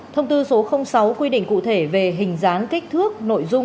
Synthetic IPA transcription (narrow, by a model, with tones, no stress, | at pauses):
t̪ʰə˧wŋ͡mt̪ɨ˧so˨˦xə˧wŋ͡msa˨˦wkwi˧ɗḭ˧˨ŋ̟kṵ˧˨t̪ʰe˧˩ve˨˩ɦï˨˩ŋ̟zaː˨˦nki˦˥k̟̚t̪ʰɨ˦˥ək̚no̰˧˨jzʊ˧ŋ͡m